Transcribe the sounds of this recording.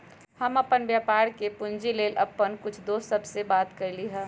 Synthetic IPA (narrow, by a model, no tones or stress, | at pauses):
hɐmɐpənbjaːpaːɾkepʊnd͡ʒileːlɐpːənkʊt͡ʃʰd̪oːsəbsebaːt̪kəɾliɦɛ̃